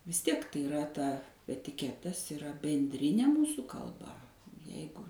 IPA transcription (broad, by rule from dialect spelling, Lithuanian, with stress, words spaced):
ʋʲɪs ˈtʲiɛk tɐɪ ɪˈrɐ ˈtɐ ɛtʲɪˈkʲæːtɐs ɪˈrɐ bʲɛnʲˈdʲrʲɪnʲeː ˈmuːsuː kɐlˠˈbɐ ˈjɛɪɡʊ